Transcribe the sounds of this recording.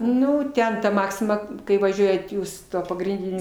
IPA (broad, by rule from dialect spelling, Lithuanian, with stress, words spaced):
ˈnʊ ˈtʲɛn ˈmɑːksʲɪmɐ kɐɪ ʋɐˈʒʲuɔjɛt ˈjuːs ˈtuɔ pɐɡrʲɪnʲˈdʲɪnʲʊ